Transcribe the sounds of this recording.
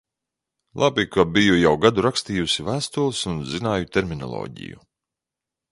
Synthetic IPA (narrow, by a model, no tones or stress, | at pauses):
lˠʔabikabijujawɡad̪uɾakst̪iːjusivæːst̪ulˠsunzinaːjut̪eɾminɔ̰lˠɔ̰ːɟḭjṵ